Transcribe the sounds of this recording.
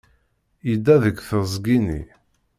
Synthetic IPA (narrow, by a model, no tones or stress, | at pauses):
jid̪ːæðəɡʷθəzˤɡinḭ